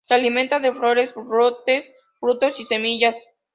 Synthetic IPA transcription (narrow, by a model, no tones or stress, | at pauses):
sealiment̪aðefɾo̞ɾe̞sbɾot̪e̞s | fɾut̪o̞sise̞miʝas